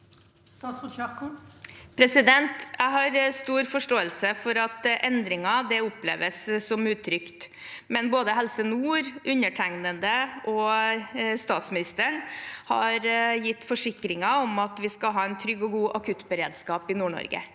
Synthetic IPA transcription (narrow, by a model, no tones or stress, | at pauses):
pʰɾɛsɪd̪ɛnt̪jʔæɪɦɑɾst̪uːɾfɔʂʈoːəlsəfɔɾɑt̪ʔɛnd̪ɾɪŋɑd̪ɛʊplḛːʋəsːɔmʉːt̪ʰːɾʏkt̪ | mɛnboːd̪əɦɛlsənuːɾʔʉnəʈʰæŋnənd̪əʔɔ | st̪ɑːt̪smɪnɪst̪əɳhɑɾjɪt̪ːfɔʂɪkɾɪŋɑɔmɑt̪ʋɪskɑlɦɑːɛnt̪ʰɾʏɡɔɡuːʔɑkʰʉt̪bəɾḛːd̪skɑːpɪnuːɳɔ̰ɾɡə̰